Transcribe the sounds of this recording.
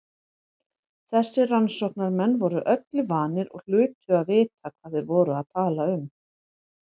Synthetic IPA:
θɛsːɪransɔhknaɾmɛnːvɔɾʏʔœt̪lɪvaːnɪɾɔ̰ɣl̥ʏːt̪ʏaðvɪːt̪akʰvaːθɪɾvɔːɾʏaðt̪ʰaːlaʏm

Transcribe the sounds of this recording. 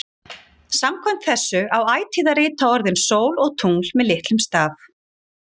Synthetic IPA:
samkʰɔm̥t̪θɛsːʏʔawaːjt̪ʰiːðaɾɪːt̪ʰaɔɾðɪnsoːwlɔɣt̪ʰuŋlmɛðlɪht̪lʏmst̪aːf

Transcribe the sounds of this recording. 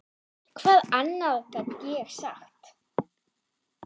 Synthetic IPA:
kʰv̥aːðanːaðθɛt̪cɛɣ̥saxt̪

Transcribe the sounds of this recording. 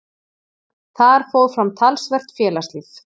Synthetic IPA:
θaðɛɾ̥foːwðfɾamt̪ʰalsvɛr̥t̪fjɛːlast̪liθ

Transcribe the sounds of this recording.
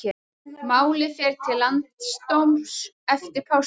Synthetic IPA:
ɛ | maːwlɪfjɛɾ̥t̪ʰɪlːant̪st̪owms | ɛft̪ɪɾpʰaws

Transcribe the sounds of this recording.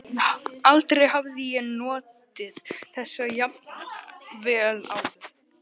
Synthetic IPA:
alt̪ɾɛjɦavðɪjɛnɔːt̪ɪðθɛsːajap̚nvɛːla̰wðɪ̥

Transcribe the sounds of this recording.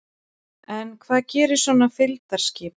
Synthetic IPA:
ɛnkʰvaːðcɛːɾɪɾ̥sɔːnafɪlt̪aɾ̥scɪːp

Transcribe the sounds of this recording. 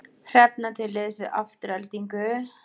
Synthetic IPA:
r̥ɛp̚nat̪ʰɪlɪðsvɪða̰ft̪ʏɾalt̪iŋkʏ

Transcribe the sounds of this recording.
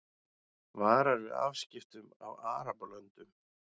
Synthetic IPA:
vaːɾaɾvɪða̰vscɪft̪ʏma̰vaːɾapalœnt̪ʏm

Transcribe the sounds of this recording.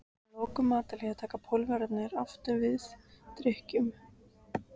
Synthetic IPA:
lɔːkʏmaːt̪alɛːɣat̪ʰaːkapʰɔwlvɛɾat̪nɪɾaft̪ʏɾvɪθt̪ɾɪhcʏm

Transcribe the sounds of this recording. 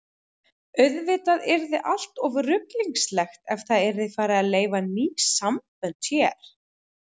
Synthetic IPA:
œɥðvɪːt̪aðɛɾðɪʔal̥t̪ɔvrʏpliŋkslɛxt̪ɛfθaðɛɾðɪfaːɾɪaleːjvaniːsamt̪ɛnt̪jɛːɾ̥

